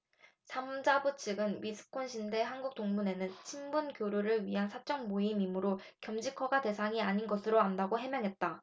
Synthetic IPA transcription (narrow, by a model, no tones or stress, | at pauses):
sʰamd͡ʑabut͡ɕʰiɡɯnɥisʰɯ̥kʰonɕʰinde̞ɦanɡuk̚t͈oŋmune̞nɯnt͡ɕʰimbunkjoɾuɾɯɭɥiɦansʰat͡ɕ͈ʌŋmoimimuɾo | kjʌmd͡ʑikʰʌɡate̞sʰaŋiaɲinɡʌsʰɯɾoandaɡoɦe̞mjʌŋɦe̞t̚t͈a